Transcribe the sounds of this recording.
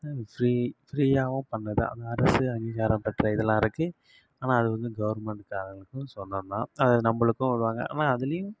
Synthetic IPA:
fɾiːfɾiːaːʋɐ̃pɐɳːɐðɯ̰ɐ̰nd̪ɐɐɾɐsɯɐŋɡiːɣaːɾɐ̃mpɐʈːɾɐɪðɛlːãːɪɾɯkːɯ | aːnãːɐɽɯʋɯnɡ̪ɯɡɐʋɐɾmɛɳʈkaːɾɐŋɡɐɭɯkːɯ̃sɔnːɐnːãːɐðɐnɐmbɐɭɯkːɯ̃ʋɐɽɯʋaːŋɡɐ̰a̰ːnaːɐðɪlɐjɯ̃

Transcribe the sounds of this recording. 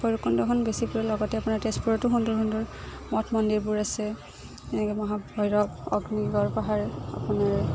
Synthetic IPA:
xɔjɹukɔndɔkɔnbesipuɹɛlɔɡɔtɛapunaɹtespuɹɔtuɦundɔɹɦundɔɹ | mɔtʰmɔndiɹbuɹasɛ | ɛmɔɦabɔjɹɔbɔ̰ɡniɡɔɹpaɦaɹa̰punaɹ

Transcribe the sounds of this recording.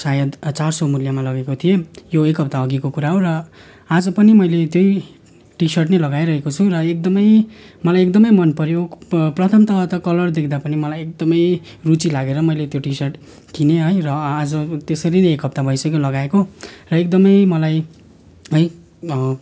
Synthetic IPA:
sajʌd̪t͡sarsʌmuljamalʌɡekot̪ʰijejoekɦʌp̚t̪aʌɡikokuɾaɦorʌ | ad͡zʌpʌnimʌjlet̪joj | ʈisʌrʈnelʌɡajɾʌɦekot͡sʰurʌek̚d̪ʌmʌjmʌlajekd̪ʌmʌjmʌnpʌɾjoprʌt̪ʰʌmt̪ʌɦʌt̪ʌkʌlʌrd̪ekʰd̪apʌnimʌlajek̚d̪ʌmʌj | rut͡silaɡeɾʌmʌjlet̪joʈisʌrʈ | k̪ʰineɦʌjrʌad͡zʌt̪esʌɾineekɦʌp̚t̪abʱʌjsʌkolʌɡaekorʌekd̪ʌmʌjmʌlaj | ɦʌj

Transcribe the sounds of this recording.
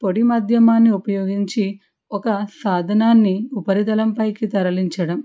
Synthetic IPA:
poɽimɐd̪ʱjɐmaːnːiupɐjoːɡiɲt͡ʃi | ɔkɐsaːd̪ʱɐnaːnːiupɐɾid̪ɐlɐmpɐjkit̪ɐɾɐliɲt͡ʃɐɽɐm

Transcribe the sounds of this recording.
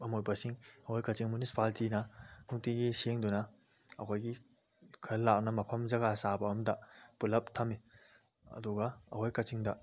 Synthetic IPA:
ɐmojbɐsiŋɐhojkɐt͡ʃiŋmunisi̥paltinɐnuktiɡiseŋdunɐ | ɐ̰kʰojɡi | kʰɐlːak̚nɐmɐpʰɐmzɐɡasabɐɐmdɐpulɐp̚tʰɐmi | ɐ̰duɡɐɐ̰hojkɐt͡ʃiŋdɐ

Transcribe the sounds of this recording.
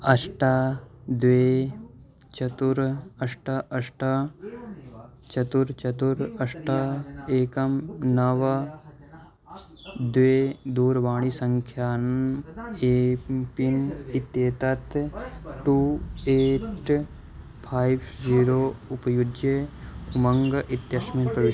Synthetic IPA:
ɐsʈad̪ʋeː | t͡ʃɐt̪uɾɐʃʈaʔɐsʈa | t͡ʃɐt̪uɾt͡ʃɐt̪uɾɐsʈaeːkɐmnɐʋɐ | d̪ʋeːd̪uːɾʋaːɳ̃isɐŋkʰjaːn | epinit̪jeːt̪ɐt̪ʈuːeːʈ | pʰaːibziːɾoːʊpɐjudeʊmɐŋɡʔit̪jɐsminpɾɐʋɪ

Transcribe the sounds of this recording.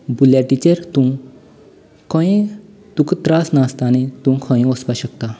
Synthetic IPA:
buljaʈit͡ɕeɾt̪ũ | kʰɔ̃ĩ | d̪̥ukt̪ɾasnast̪anẽt̪ũkʰə̃ĩɔspaɕəkt̪a

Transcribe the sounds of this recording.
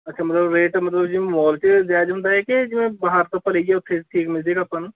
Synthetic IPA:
ɐtːʃʰamɐt̪ləbɾeːʈmɐt̪ləbd͡ʒimɔːlt͡ʃed͡ʒaːd͡ʒɦʊ̃nd̪aɦɛkid͡ʒɪmẽbɐɦaɾt̪opɐleːɡiɛʊt̪ʰːeʈʰiːkmɪzikɐpən

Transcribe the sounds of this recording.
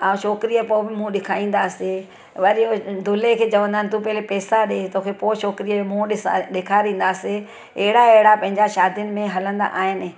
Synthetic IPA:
aːũʃoːkɾijəpoːbɪmũɗɪkʰaːĩːn̆d̪aːse | ʋɐɾijod̪ʱʊlekʰeːt͡ɕɐʋə̃nd̪aːɪnɪt̪ũpɐɦlepɛːsaɗeːt̪oːkʰepoːʃoːkɾiəmũɗɪsɗɪkʰaɾĩːnd̪aːse | ɛɦɪɽaeɦɪɽapɐ̃ɦɪ̃ɲd͡ʑaʃaːd̪ʱijʊnɪ̆mẽɦɐlə̃nd̪a̰ʔaːɦɪnɪ̆

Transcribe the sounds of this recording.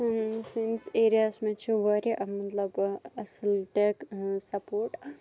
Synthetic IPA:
sinseɾijasmẽt͡ʃʰiʋɐɾiʔɐmɐt̪lɐbɐsilʈeksɐpoːɾʈ

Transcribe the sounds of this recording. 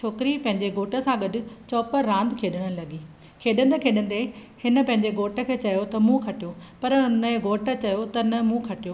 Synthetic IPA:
t͡ɕʰoːkɪɾipɐ̃ɦɪ̃ɲd͡ʑeɡoːʈə̆sãɡɐɖʊ̆t͡ɕɔːpəɾãːnd̪kʰeːɗəɽ̃əlɐɡiː | kʰeːɗə̃nd̪ekʰeːɗə̃nd̪ehɪnə̆pɐ̃ɦɪ̃ɲd͡ʑeɡoːʈə̆kʰeːt͡ɕɐjot̪ɐmũkʰɐʈijopɐɾɦʊnəɡoːʈə̆t͡ɕɐjot̪ɐnɐmũkʰɐʈijoː

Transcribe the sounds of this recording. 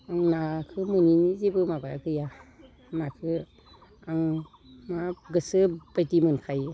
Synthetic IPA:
aŋnakʰɯmɯninizebɯmabaakʰɯja | nakʰɯ | aŋ | maɡɯsɯb̥ajtimɯnkʰaj

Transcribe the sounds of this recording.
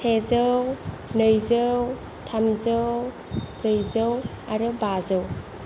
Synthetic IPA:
sʰezəw | nɯjzɯw | tʰamzəww | ɾɯjzəw | aɾubazɯw

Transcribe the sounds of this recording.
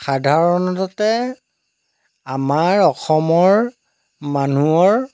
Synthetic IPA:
xadʱaɹɔnɔtɔtɛ | amaɹɔxɔmɔɹ | manuɔɹ

